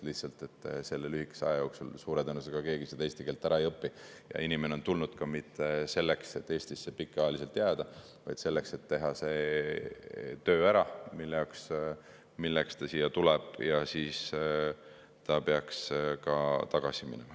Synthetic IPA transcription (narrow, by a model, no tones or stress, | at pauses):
liht̪sɑlt̪ˑe̞t̪ːˑse̞lːelyhɦikːˑe̥seɑ̰jɑjo̞ːksṵlsuːɾed̪enus̬eɡ̥ɑke̞ːɡ̥ised̪e̞ːst̪ikeːlt̪ːˑæɾɑejɤpːi | jɑ̰inʲimeneo̞nt̪ulnud̪̥kɑmit̪ːese̞lːekse̞t̪ːe̞ːst̪isːepikːˑeɑjlis̬e̞lt̪ːˑjæːd̪̥ɑ | vɑ̰jd̪̥se̞lːekse̞t̪ːe̞ɦɑse̞ | t̪ø̞ːæɾɑmilːejɑks | milːekst̪ɑsiːjːɑt̪uleb̥jɑsiːs | t̪ɑpeɑkskɑt̪ɑɡ̥ɑsimḭnemɑ